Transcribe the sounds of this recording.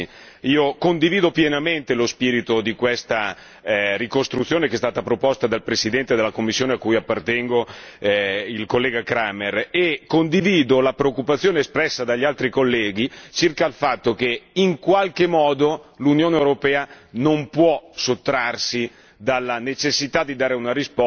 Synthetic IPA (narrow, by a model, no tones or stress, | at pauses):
iːokond̪iviːd̪opjenament̪elospiːɾit̪od̪ikwest̪a | rikost̪ɾut̪sjoːnekeɛst̪aːt̪apɾopɔst̪ad̪alpɾesid̪ɛnt̪ed̪elːakomːisːjoːneakːujapːart̪ɛŋɡo | ilkolːɛːɡakɾamerekːond̪iviːd̪olapɾeokːupat̪sːjoːneːspɾɛsːad̪aʎːialt̪ɾikolːɛːɡ̟it͡ʃirkaːlfat̪ːok̟eiŋkwalkemɔːd̪olunjoːneewɾopɛːa | nompwɔsot̪ːɾarsi | d̪alːanet͡ʃesːit̪ad̪id̪aːɾeunaɾisp